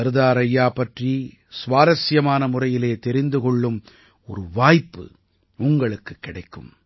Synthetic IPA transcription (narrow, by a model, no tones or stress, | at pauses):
ɐɾɯðaːɾɐjːaːpɐʈri | sʋaːɾɐsjɐmaːnɐmʊrɐjɪleːt̪ɛɾɪnd̪ɯkɔɭːɯm | ɔɾɯʋaːjpːɯ̰ | ʊŋɡɐɭɯkːɯkːɪɽɐɪkːɯ̰m